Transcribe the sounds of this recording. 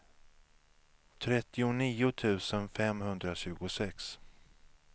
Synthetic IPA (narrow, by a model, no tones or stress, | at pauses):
t̪ʰɾɛt̪ːɪʊniːʊt̪ʰʉ̟ːsənfɛmhɵnd̪ɾaɕʉ̟ːɡʊsɛks